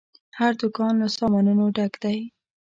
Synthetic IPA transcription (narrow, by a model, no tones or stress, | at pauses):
haɾd̪ʊkɑnlasɑmɑnənoɖakd̪aj